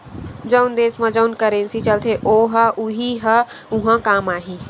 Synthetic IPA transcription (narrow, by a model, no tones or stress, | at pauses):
d͡ʒəʊnd̪eːsmə̃d͡ʒəʊnkəɾensit͡ʃəlt̪ʰeʔoɦəʔuɦiɦə | uɦãkaːmaːɦi